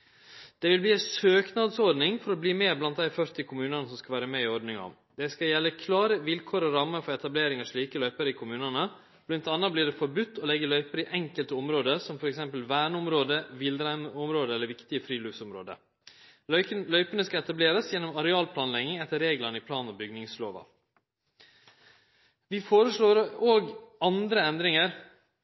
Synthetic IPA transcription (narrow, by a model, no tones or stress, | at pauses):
d̪̥ɛʋɪlbliːæsøːknɑd̪sɔɖnɪŋfɔɾɔbliːmeːblɑnt̪̚d̪æɪfœɾt̪ɪkʰʊmʉːnənəsɔmskɑʋæːɾəmɛɪɔɖɳɪŋɑ̰m | d̪̥ɛskɑjɛlːəkʰlɑːɾəʋɪlkʰoːɾɔɾɑmːəɾfɔɾɛt̪ɑbleːɾɪŋɑʂɭiːkəlœʏpəɾəɪkʰʊmʉːnənə | b̥lɑnt̪ɑnːɑbliːɖɛfɔɾbʉt̪ːɔlɛɡːəlœʏpəɾəɪʔɛŋkəlt̪əɔmɾoːd̪əsɔmfɔɾɛksɛmpəlʋæːɳɔmɾoːd̪əʋɪld̪ɾɑmɔmɾoːd̪əɛləɾʋɪkt̪ɪəfɾiːlʉfsʊmɾo̰ːd̪ə̰ | lœʏpənəskɑɛt̪ɑbleːɾəsjɛnɔmɑɾɛɑːlpʰlɑːnlɛɡɪŋɛt̪ːəɾeːɡlɑnəiːpʰlɑːnɔbʏɡnɪŋslo̰ːʋɑ̰ | ʋɪfoːɾəʂɭoːɾoːɡɑnd̪ɾəɛnd̪ɾɪŋəɾ